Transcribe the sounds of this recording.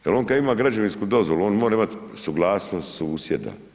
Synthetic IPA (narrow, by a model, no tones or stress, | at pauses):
jelo̞ːnkad̪imaːɡɾad͡ʒaʋinskud̪o̞zʋoluo̞ːnmoːɾaimat̪suɡlˠaːsnost̪susjed̪a̰